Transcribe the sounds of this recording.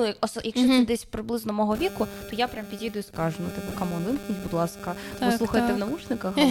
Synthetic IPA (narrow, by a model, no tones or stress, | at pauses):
jɔsjɐkʃt͡ʃɔɪd̪ɛsʲpɾɪblˠɪznɔmɔɦɔʋʲikʊt̪ɔjapɾʲampʲidʲjid̪ʊjʊskɑʒʊnut̪ɪpɛkɐmɔnʋɪnxʲitʲbʊd̪lˠɑskɐsˠuxɐjt̪ɛwnɐmut͡ʃnɪkɐx